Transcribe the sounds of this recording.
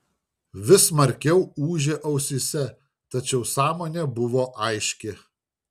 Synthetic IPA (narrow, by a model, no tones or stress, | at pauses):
ʋʲɪsmɐɾʲkʲɛʊuːʒʲeːʔɐʊsʲɪsʲɛ | t̪ɐt͡ʃʲɛʊsɑːmoːnʲeːbʊʋoːʔɐɪʃʲkʲɪ